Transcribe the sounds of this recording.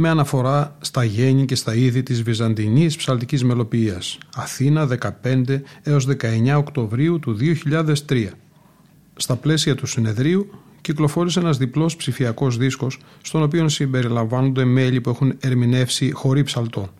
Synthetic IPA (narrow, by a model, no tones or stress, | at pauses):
me̞ɐnɐfo̞ɾɐst̪ɐʝe̞ɲice̞st̪ɐiðit̪izvizɐnd̪inispsɐlt̪icizme̞lo̞piiɐsɐθinɐðe̞kɐpe̞nd̪e̞eo̞zðe̞kɐe̞ɲɐokt̪o̞vɾiut̪uðio̞çiʎɐðe̞st̪ɾiɐ | st̪ɐple̞siɐt̪usine̞ðɾiu | ciklo̞fo̞ɾiseenɐzðiplo̞spsifiɐko̞zðisko̞sːt̪o̞no̞pionsimbe̞ɾilɐɱvɐnond̪e̞me̞ʎipue̞xune̞ɾmine̞fsixo̞ɾipsɐlt̪o̞n